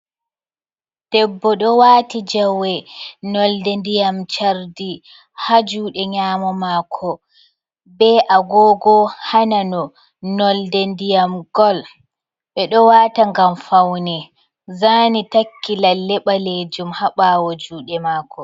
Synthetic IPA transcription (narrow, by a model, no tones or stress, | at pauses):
d̥ɛbːɔɗɔwaːtid͡ʒawɛnɔldɛndijamt͡ʃaɾdi | had͡ʒuːɗɛɲaːmɔmaːkʰɔ | bɛʔaɡɔːɡɔhananɔ | nɔldɛndijamɡ̥ɔl | ɓɛɗɔwaːtaŋɡamfawnɛ | zaːnitakːilalːɛɓaled͡ʒumhaɓaːwɔd͡ʒuːɗɛmaːkʰɔ